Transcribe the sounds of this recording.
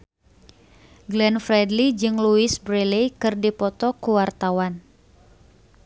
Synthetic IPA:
ɡlɛnfɾɛdlid͡ʒɨŋluisbɾɛlekɨrdipɔt̪ɔkuwart̪awan

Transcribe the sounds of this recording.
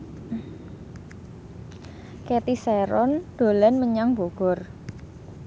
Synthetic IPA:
ket̪iseɾɔnd̪̥o̤lanməɲaŋbo̤ɡ̥ɔ̤r

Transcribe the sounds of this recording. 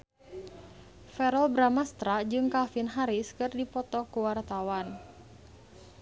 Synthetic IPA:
fɛɾɔlbɾamast̪ɾad͡ʒɨŋkalfinɦaɾiskɨrdipɔt̪ɔkuwart̪awan

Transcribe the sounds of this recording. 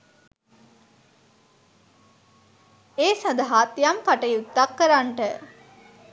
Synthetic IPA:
eːsad̪aɦaːt̪ːijamkaʈəjut̪ːakːəɾaɳʈə

